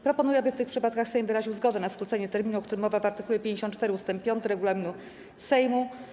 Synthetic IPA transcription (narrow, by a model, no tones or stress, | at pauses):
pɾɔpɔnujɛabɘft̪ɘxpʂɘpat̪kaxsɛjmd̪ɨɾaʑiwzɡɔd̪ɛnaskɾut̪sɛɲɛt̪ɛɾmʲinuɔkt̪uɾɘmːɔvavaɾt̪ɘkulɛpʲjeɲd͡ʑeɕɔ̃n̚t͡ʂːt̪ɛɾɘust̪ɛmp̚ːʲjɔnt̪ɘɾɛɡulamʲinu | sɛjmu